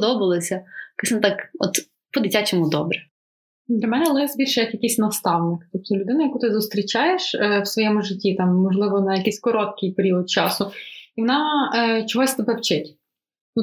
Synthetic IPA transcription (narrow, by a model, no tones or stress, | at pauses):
d̪ɔbɪlˠɔsʲɐkɛsʲnɐt̪ɑkɔ̰t̪ | pɔd̪ɪtʲat͡ʃɛmʊd̪ɔbɾɛ | d̪lʲɐmɛnɛlˠɪzbʲirʲʃɛjɐkjɐkɪsʲnɐst̪ɑwnɪkt̪ɔp̚t̪ɔlʲʊd̪ɪnɐjɐkut̪ɪzʊst̪ɾʲit͡ʃɑjeʃwsʋɔjɛmʊʒɪtʲːit̪ɑmːɔʒlˠɪʋɔnɐjɐkisʲkɔɾɔt̪̚kɪjpeɾʲiɔd̪̚t͡ʃɑsʊiʋɔnɑt͡ʃɔɦɔsʲt̪ebɛwt͡ʃɪtʲ | nu